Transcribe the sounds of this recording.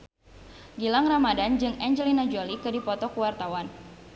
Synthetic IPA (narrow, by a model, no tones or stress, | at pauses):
ɡilaŋramadand͡ʒɨŋɛnd͡ʒɛlinad͡ʒolikɨdipɔt̪ɔkuwart̪awan